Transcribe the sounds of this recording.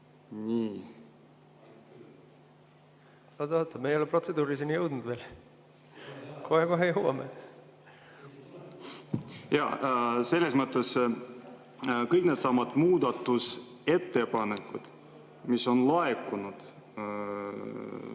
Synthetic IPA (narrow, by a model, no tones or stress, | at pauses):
nʲiː | ɑd̪ɑt̪ːˑɑmejeolepro̞t̪se̞d̪uːɾisinʲijɤwd̪nud̪̥ve̞ːl | kʰohekoɦejuwɑ̰me | jɑ̰se̞lːesmət̪ːˑe̞s | kɤjknet̪sɑmːɑd̪̥muːd̪ɑt̪ːus | e̞t̪ːe̞pɑnekːˑud̪̥ | misːo̞nlɑekːunud̪̥